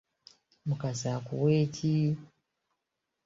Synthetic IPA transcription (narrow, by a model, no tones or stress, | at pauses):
mukazakṵweːcʰi